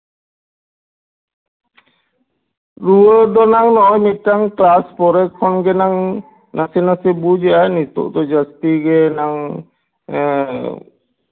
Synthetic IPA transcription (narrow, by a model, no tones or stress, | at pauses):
ɾuəd̪ɔnaŋnɔjmit̪̚ʈaŋklaspɔɾɛkʰːɔnɡɛnaŋ | nasɛnasɛbud͡ʒɛanit̪ɔ̰ʔt̪ɔd͡ʒast̪iɡɛnaŋ